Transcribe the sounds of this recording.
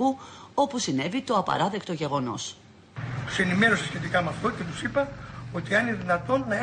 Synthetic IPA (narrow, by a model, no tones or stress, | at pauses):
uo̞pusine̞vit̪oɐpɐ̰ɾɐðe̞kt̪oʝe̞ɣo̞no̞̰s | t̪u̥se̞nime̞ɾo̞sesçe̞t̪̬ikɐmeɐft̪o̞ce̞t̪usipɐo̞t̪iɐnineðinɐt̪o̞nːɐe